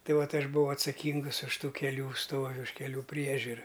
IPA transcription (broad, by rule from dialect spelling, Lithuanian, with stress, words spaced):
ˈtɐɪ ˈʋɐt ˈɐʃ bʊˈʋɐʊ ɐtsɐˈkʲɪŋɡʊs ʊʃ ˈtuː kʲɛˈlʲuː ˈstoːʋʲɪ ʊʃ kʲɛˈlʲuː ˈpʲrʲiɛʒʲʊrɐ